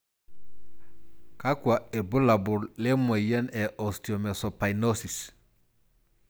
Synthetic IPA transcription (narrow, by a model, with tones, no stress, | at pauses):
ka˦kwa˨e˨bu˦la˨bu˨ɾle˦mo˨jɛ˦nɛ˨ʔɔ˨sto˨mɛ˨so˨pa˨jno˦si˨s